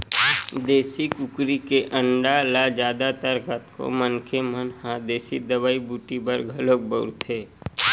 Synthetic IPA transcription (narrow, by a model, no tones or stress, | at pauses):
d̪eːsikʊkɾikeʔə̃ɳɖalad͡ʒjaːd̪at̪əɾɡət̪ko̰mənkʰemənhad̪eːsid̪əbaːibuːʈibəɾɡʱɐlok̚bəɾt̪eː